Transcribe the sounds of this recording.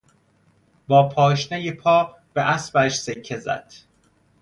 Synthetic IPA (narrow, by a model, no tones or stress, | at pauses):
bɒːpʰɒːʃnejepʰɒː | b̥eʔæsbæʃsekʰːezæ̰d̪̥